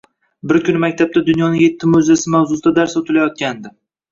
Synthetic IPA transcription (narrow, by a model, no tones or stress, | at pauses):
bɪɾkʰʲʊnɪmakʲt̪ʰab̚t̪ad̪ʊnjɒnɪŋje̞t̪ʰːɪmʊzasɪmawzʊst̪ad̪aɾsot̪ʰɪlajɒt̪̚kʲand̪ɪ